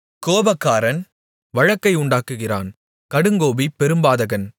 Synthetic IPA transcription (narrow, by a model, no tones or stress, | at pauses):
koːbɐkːaːɾɐn | ʋɐɻɐkːɐɪʊɳɖaːkːɯɣɪra̰ːn | kɐɽɯŋɡoːbipːɛɾɯmbaːðɐɣɐn